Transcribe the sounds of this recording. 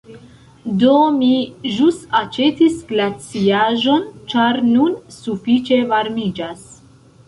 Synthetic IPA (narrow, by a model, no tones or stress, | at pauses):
do̞miʒustat͡ʃe̞tisɡlat͡siaʒo̞nt͡ʃaɾnunsufit͡ʃe̞vaɾmid͡ʒas